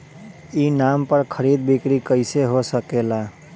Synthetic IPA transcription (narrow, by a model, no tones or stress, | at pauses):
inampəɾkʰəɾid̪̚bikɾikəɪseɦosəkela